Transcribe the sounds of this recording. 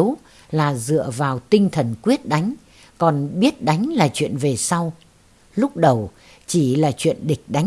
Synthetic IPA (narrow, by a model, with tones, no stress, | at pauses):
w | laː˨˩zɨ̰˧˨əvaː˨˩wt̪ï˧ŋ̟t̪ʰə˨˩nkwi˦˥ət̚ɗa˨˦jŋ̟ | kɔ˨˩nɓi˦˥ət̚ɗa˨˦jŋ̟laː˨˩t͡ɕwḭ˧˨ənve˨˩sa˧w | lʊ˦˥k͡p̚ɗə˨˩w | t͡ɕi˧˩laː˨˩t͡ɕwḭ˧˨ənɗï˨˩k̟̚ɗa˨˦